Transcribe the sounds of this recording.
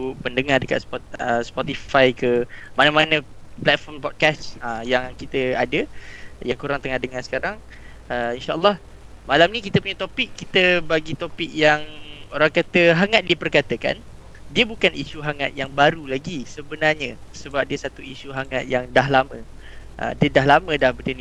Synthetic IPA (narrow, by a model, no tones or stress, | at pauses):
pəndəŋardəka̰t̪̚spɔt̚əspɔt̪ifajkəmanə̃manə̃plɛt̪̚fɔrmpɔt̪̚kasəjaŋkit̪əadəjaŋkuɾaŋt̪əŋahdəŋansə̥kaɾaŋ | əinʃaʔə̰lˠːɑh | malamnikit̪əpuɲət̪opɪkːit̪əbaɡit̪opɪk̚jaŋoɾaŋkat̪əɦaŋat̪̚diəpərkat̪əka̰n | diəbukaniʃuɦaŋat̪̚jaŋbaɾulaɡisəbənarɲəsəbap̚diəsat̪uisuɦaŋat̪̚jaŋdaɦlamə̃ | ʔə̰dədaɦlamə̃dahbədəni